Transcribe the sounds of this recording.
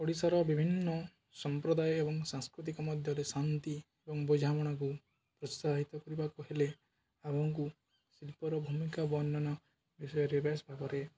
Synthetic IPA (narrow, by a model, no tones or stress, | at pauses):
pɔɽisaɾɔbibʱinːɔ | sɔmpɾɔd̪ajɔebɔŋsãŋskɾut̪̬ikɔmɔd̪ʱjɔɾesant̪i | ebɔŋbɔd͡ʒʱamɔɽ̃ak̬u | pɾɔst̪aɦit̪ɔkɔɾibakɔɦile | abʱɔŋku | silpɔɾɔbʱumikabɔnːɔnɔ | bisɔjɔɾebasbʱabɔɾe